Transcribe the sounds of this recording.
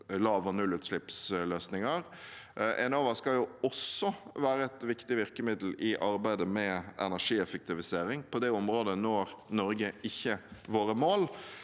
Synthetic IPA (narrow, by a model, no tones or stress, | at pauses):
lɑːʋɔnʉlːʉt̪ʃlɪpsløːsnɪŋəɾ | ʔɛnoːʋɑskɑljʊɔsːɔʋæːɾəɛt̪ʋɪkt̪ɪʋɪʁkəmɪd̪l̩ʔɪʔɑɾbæɪd̪əmɛɛ̰næʁʂiːɛfək̚t̪ɪʋɪseːɾɪŋpʰɔd̪ɛɔmɾoːd̪ənɔɾnɔɾɡəɪçːəʋoːɾəmoːl